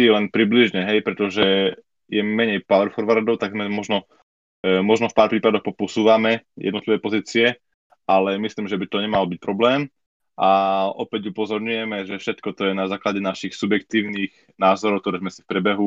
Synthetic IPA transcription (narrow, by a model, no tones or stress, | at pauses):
iɛlɛnpɾibliʒɲɛɦɛjpɾɛt̪ɔʒɛ | jɛmɛɲɛjpaɛɾfɔɾʋaɾd̪ɔʊt̪aɡzmɛmɔʒnɔ | mɔʒnɔfpaːɾpɾiːpad̪ɔxpɔpɔsuːʋamɛjɛd̪nt̪liʋɛpɔziːt͡siɛ | ʔalɛmisliːmʒɛbit̪ɔɲɛmalɔbic̚pɾɔblɛːm | ʔaʔɔpɛɟupɔzɔɾɲujɛmɛʒɛfʃɛt̪kɔt̪ɔjɛnazaːklaɟɛnaʃixsubjɛkt̪iːʊniːx | naːzɔɾɔk̚t̪ɔɾɛːzmɛsifpɾɛbɛɦu